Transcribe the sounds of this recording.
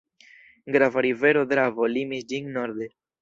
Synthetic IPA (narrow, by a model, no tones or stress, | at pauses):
ɡɾavaɾiveɾod̪ɾavolimisd͡ʒiŋnoɾd̪e